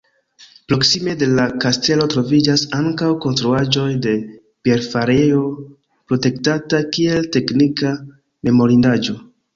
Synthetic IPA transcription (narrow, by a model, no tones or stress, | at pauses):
pɾo̞ksime̞de̞lakaste̞lo̞tɾo̞vid͡ʒasaŋkawko̞nstɾuad͡ʒo̞jde̞ | pe̞ɾfaɾeo̞ | pɾo̞te̞ktatakie̞lte̞knika | me̞mo̞ɾindad͡ʒo̞